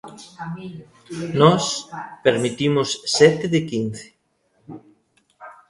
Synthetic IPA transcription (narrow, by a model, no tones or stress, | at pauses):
nɔspeɾmit̪imʊsːɛt̪ɪðɪkin̟θɪ̥